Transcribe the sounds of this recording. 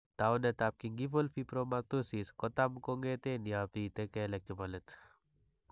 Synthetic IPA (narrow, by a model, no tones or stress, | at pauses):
t̪awnet̪ap̚kiŋɡifolpipɾomat̪usiskɔt̪amkoŋɡet̪enjapit̪ekɛlɛkːibɐlət̪